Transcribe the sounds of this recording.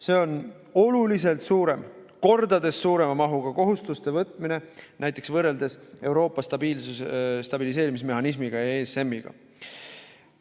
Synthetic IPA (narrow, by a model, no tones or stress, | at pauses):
se̞o̞n | o̞lulis̬e̞lt̪suːɾe̞mko̞rd̪̥ɑd̪e̞sːuːɾe̞mɑmɑɦuɡ̥ɑko̞ɦust̪ust̪e̞vɤt̪ːˑmine̞nʔæjt̪ːˑe̞ksvɤre̞ld̪e̞se̞wɾo̞ːpːˑɑst̪ɑbiːlsusest̪ɑb̥ilis̬e̞ːɾimisme̞ɦɑnismiɡ̥ɑjɑesemːiɡ̥ɑ̰